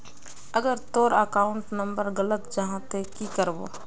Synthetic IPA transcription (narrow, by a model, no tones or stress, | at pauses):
əɡəɾt̪oːɾəkaːʊɳʈnɐ̃mbəɾɣɐlət̪d͡ʒɐɦãt̪ekikəɾbo̰ː